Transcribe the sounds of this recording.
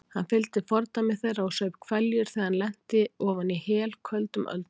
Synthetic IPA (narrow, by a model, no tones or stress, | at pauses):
hanfɪlt̪ɪfɔɾt̪amɪθejɾaɔsœːɥpkʰvɛljʏɾ̥θɛːðhanlɛn̥t̪ɪɔːvanihɛːlkʰvœlt̪ʏmʔœ̰lt̪n